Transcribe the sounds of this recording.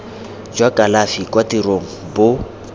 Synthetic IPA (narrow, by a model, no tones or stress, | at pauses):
d͡ʒwakʼalafikwatiroŋ̩bʊ